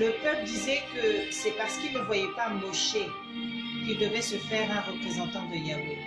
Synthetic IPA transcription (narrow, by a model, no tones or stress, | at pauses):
ləpœpld̪izɛkəsɛpaʁsə̥kilnəvwajɛpamoʃe | kild̪əvɛsəfɛʁɛ̃ʁəpχezɑ̃t̪ɑ̃d̪əjau